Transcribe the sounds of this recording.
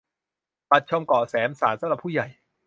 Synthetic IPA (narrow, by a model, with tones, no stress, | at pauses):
pa˨˩t̪̚t͡ɕʰo˧mkɔː˨˩sɛː˩˦msaː˩˦nsa˨˦ɾa˨˩pʰuː˥˩ja˨˩j